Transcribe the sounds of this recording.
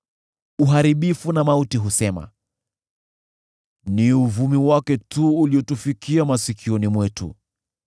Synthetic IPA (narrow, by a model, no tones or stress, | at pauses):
uɦaɾiɓifunamautiɦusɛma̰ | niuvumiwakɛtuːliɔtufikiamasikʰiɔnimwɛtṵ